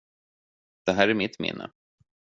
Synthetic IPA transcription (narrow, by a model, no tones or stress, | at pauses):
d̪̥ɛɦæːɾæɾmɪt̪ːmɪ̰nːə̰